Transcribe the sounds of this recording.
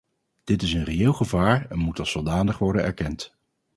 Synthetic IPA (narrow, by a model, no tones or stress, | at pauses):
d̥ɪtɪsənreeːlˠχəvaːɹɛnmutɑlˠsolˠdaːndəχʋɔɹdənɛ̰ɹkɛnt